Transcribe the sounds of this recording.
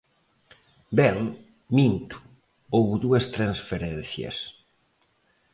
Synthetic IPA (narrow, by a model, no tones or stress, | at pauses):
bɛl | mint̪u̥ | owβðuɐst̪ɾɐnsfeɾenθjɐ̰s